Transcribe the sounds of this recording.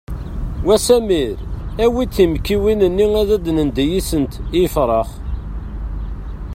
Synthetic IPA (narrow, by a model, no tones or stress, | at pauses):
wæsæmiɾæwit͡sːimkːiwinənːiŋæðæd̪nənd̪æjisənt̪ifɾˤɑχ